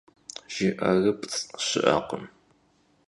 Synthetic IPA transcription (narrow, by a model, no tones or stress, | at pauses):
ʒ̥ɪʔɐrɐpʼt͡sɕɪ̰ʔɐ̰qəm